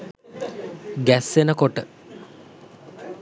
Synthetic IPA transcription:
ɡæsːenəkoʈə

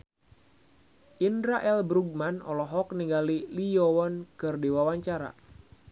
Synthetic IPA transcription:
ʔindɾaʔɛlbɾuɡ̚manɔ̰lɔɦɔk̚niŋɡalilijɔwɔnkɨrdiwawaɲt͡ʃaɾa̰

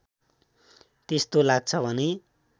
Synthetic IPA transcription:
t̪est̪olaɡ̚t͡sʰʌbʱʌne

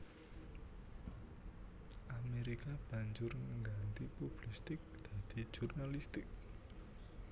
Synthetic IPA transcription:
ʔameɾikab̥ä̤ɲd͡ʒʊrŋɡant̪ipub̥list̪ɪk̚d̪̥ä̤d̪̥i̤̥ʒ̥urnalist̪ɪk̚

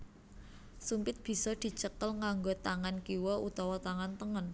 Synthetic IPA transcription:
sumpɪt̪̚b̥i̤sɔd̪̥i̤t͡ʃəkəlŋaŋɡot̪aŋankiwɔʔut̪ɔwɔt̪aŋant̪əŋən

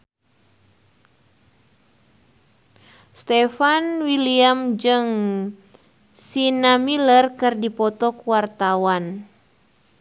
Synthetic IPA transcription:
st̪ɛfanwiliamd͡ʒɨŋ | sinamilərkɨrdipɔt̪ɔkuwart̪awan

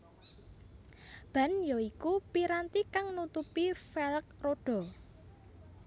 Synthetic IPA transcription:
b̥ä̤njɔikupiɾant̪ikaŋnut̪upifɛlək̚roɖ̥ɔ̤

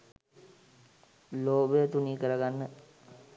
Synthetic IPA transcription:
loːbəjət̪uniːkəɾəɡanːə

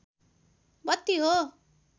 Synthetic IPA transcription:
bʌt̪ːiɦo

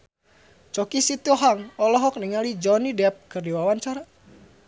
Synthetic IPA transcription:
t͡ʃɔkisit̪ɔɦaŋɔlɔɦɔk̚niŋalid͡ʒɔnidɛp̚kɨrdiwawaɲt͡ʃaɾa

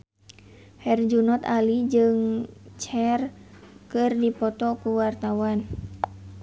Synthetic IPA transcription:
hɛrd͡ʒunɔt̪alid͡ʒɨŋt͡ʃɛrkɨrdipɔt̪ɔkuwart̪awan

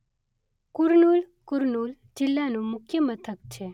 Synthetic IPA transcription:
kuɾnuːlkuɾnuːl | d͡ʑilːanumʊkʰjəmət̪ʰəkt͡ɕʰe

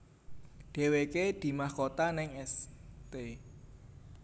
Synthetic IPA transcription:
ɖ̪̥e̤weked̪̥i̤mahkot̪anɪŋɛst̪e

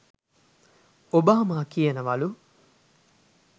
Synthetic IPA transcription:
obaːmaːkijənəʋɐlu

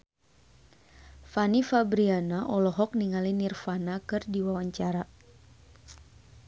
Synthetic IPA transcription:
fanifabɾianaʔɔlɔɦɔk̚niŋalinirfanakɨrdiwawaɲt͡ʃaɾa

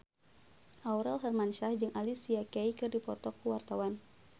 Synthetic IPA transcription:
ʔauɾɛlɦɛrmanʃahd͡ʒɨŋʔalisiakɛjkɨrdipɔt̪ɔkːuwart̪awan

